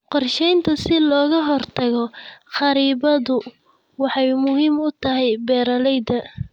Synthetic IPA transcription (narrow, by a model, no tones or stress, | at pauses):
qɔrʃɛjnt̪ʰɐsɪlɔːɣɐɦɔrt̪ʰɐɣɔχɑɾiːβɐðʊ | wɑħɑjmʊɦiːmʊt̪ʰɐɦɛjbɛːɾɐlɛjd̪ɐ